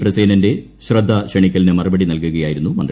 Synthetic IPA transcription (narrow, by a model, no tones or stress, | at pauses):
prɐseːnɐnde̞ | ɕrɐd̪ʱːɐɕɐɳikʲːɐlinɨmɐrɐbɐɽinɐlkuɣɐjaːjiɾunːumɐnd̪